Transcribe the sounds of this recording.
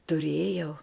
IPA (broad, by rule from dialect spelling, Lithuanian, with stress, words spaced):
tʊˈrʲeːjɛʊ